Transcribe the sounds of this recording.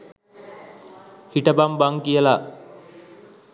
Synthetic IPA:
hiʈɐbambaŋkijɐla

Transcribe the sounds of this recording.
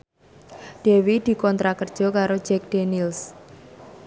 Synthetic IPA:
ɖ̥ewid̪̥i̤kɔnt̪ɾakərd̥ʒ̥ɔ̤kaɾo̥d͡ʒɛk̚d̥enils

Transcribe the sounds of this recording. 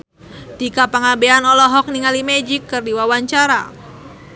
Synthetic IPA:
t̪ikapaŋabeanɔlɔɦɔk̚niŋalimɛd͡ʒɪkːɨrdiwawaɲt͡ʃaɾa̰

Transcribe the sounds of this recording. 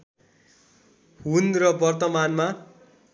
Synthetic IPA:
hunrʌbʌrt̪ʌmanma

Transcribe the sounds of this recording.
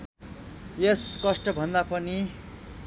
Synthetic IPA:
eskʌsʈʌbʱʌnd̪apʌni

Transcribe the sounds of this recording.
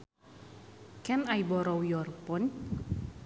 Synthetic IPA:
kɛnajbɔɾɔwjɔrpɔn

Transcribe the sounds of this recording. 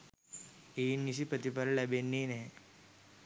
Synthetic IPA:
enːisipət̪ipaɾlɛbenːiːne

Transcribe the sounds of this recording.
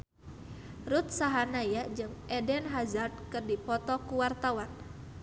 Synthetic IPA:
rut̪̚saɦanajaʔd͡ʒɨŋɛdɛnɦazard̪̚kɨrdipɔt̪ɔkuwart̪awan

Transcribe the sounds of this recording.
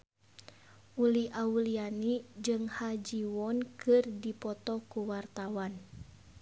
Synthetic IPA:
ʔuliʔaulianid͡ʒɨŋhad͡ʒiwɔnkɨrdipɔt̪ɔkuwart̪awan

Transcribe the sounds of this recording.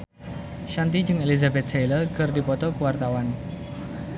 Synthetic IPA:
ʃant̪id͡ʒɨŋelizabɛt̪̚sajlərɡərdipɔt̪ɔkuwart̪awan

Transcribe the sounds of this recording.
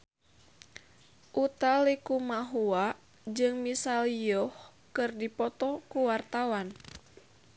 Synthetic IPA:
ʔut̪alikumaɦua | d͡ʒɨŋmisalijjɔh | kɨrdipɔt̪ɔkuwart̪awan

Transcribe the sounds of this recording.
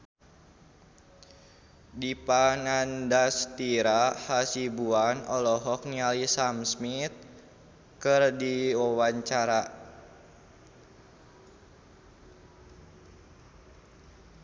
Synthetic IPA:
dipaŋandast̪iɾahasibuanɔlɔɦɔk̚nialisamsmit̪̚ | kɨrdiwawaɲt͡ʃaɾa

